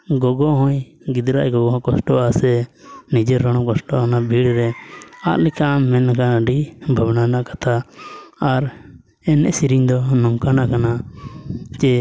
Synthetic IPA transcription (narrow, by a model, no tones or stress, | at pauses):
ɡɔɡɔɦɔ̃j | ɡid̪ɾaʔɡɔɡɔɦɔ̃kɔsʈɔʔasɛnid͡ʒɛɾːɔɽ̃ɔkɔsʈɔanabʱiɽɾɛa̰ʔlɛkʰamːɛnakaɖibʱabnanaʔkḁt̪ʰaː | ɾ | ɛnɛ̰ʔsiɾiɲd̪ɔnɔŋkanakana | t͡ʃɛ